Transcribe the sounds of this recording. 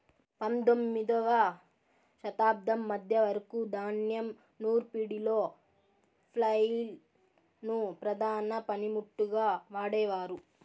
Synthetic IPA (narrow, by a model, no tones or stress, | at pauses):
pɐnd̪omːid̪ɐʋɐ | ʃɐt̪aːb̚d̪ʱɐmːɐd̪ʱjɐʋɐɾɐkud̪ʱaːnjɐm | nuːɾpiɽiloː | pʰlɐjl | nupɾɐd̪ʱaːnɐpɐnimuʈːuɡaːʋaːɽɛːʋaːɾu